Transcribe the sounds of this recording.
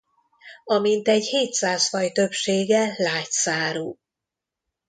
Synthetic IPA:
ɒmint̪ɛɟheːt̪saːsfɒjt̪ø̞pʃeːɡɛlːaːcsaːɾuː

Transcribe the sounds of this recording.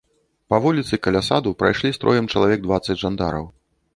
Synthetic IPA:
pɐvulʲit̪sɨkɐlʲasad̪upɾa̰jʂlʲist̪ɾɔ̰jɛmt͡ʂɐlˠavʲɛɡ̚d̪vat̪sːɐd͡zʲʐand̪a̰ɾɐ̰w

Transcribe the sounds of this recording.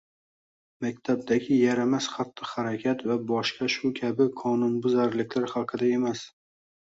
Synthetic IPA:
makʲt̪ʰab̚d̪aɡʲɪjaɾamasχat̪ʰːɨhaɾakʲʰat̪vabɒʃqɑʃʊkʲʰabɪqʰɒnʊnbʊzaɾlɪkʲlaɾχɑlˠqʰɨd̪ae̞mas

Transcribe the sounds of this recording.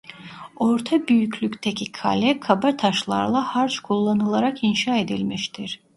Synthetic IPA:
o̞ɾt̪ʰabyjycʰlʲycʲt̪ʰecʰikʰa̰lʲɛkʰabat̪ʰaʃlˠa̰ɾlˠahaɾt͡ʃkʰulˠːanɯlˠaɾakinʃaːe̞d̪ilʲmiʃt̪ʰiɾ̥

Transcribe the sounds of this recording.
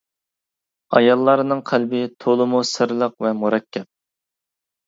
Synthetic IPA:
ɑ̰jɑlˠːɑɾɨnɨŋqʰælbɪt̪ʰolˠɨmusɨɾlˠəqvɛmuɾɛkʲʰːɛp̚

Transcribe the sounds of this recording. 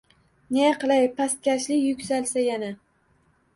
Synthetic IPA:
nejaqɨlˠajpʰast̪̚kʲaʃlɪkʲjʊkʲsalsajana

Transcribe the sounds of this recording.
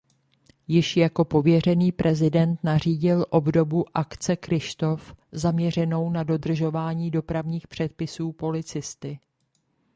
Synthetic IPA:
jɪʃjako̞po̞vjɛr̝ɛniːpɾʔɛzɪdɛnt̪nar̝iːɟɪlʔo̞bdo̞buʔakt͡sɛkɾɪʃt̪o̞fzamɲɛr̝ɛno̞wnado̞dr̩ʒo̞vaːɲiːdo̞pɾavɲiːxpr̝̥ɛt̪̚pɪsuːpo̞lɪt͡sɪst̪ɪ

